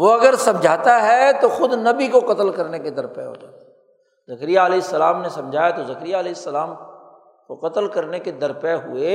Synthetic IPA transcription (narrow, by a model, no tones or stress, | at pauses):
ʋoɐɡəɾsɐ̃md͡ʒʱaːt̪aɦɛt̪oxʊd̪nɐbikoqɐt̪əlkɐɾneked̪ɐɾpɛ̰ɦo̰ːd͡ʒ̪aː | zɐkɾijaɐleːɪsːɐlaːmnesɐ̃md͡ʒʱaːjat̪ozɐkɾijaɐleːɪsːɐlaːm | koqɐt̪əlkɐɾneked̪ɐɾpɛɦṵeː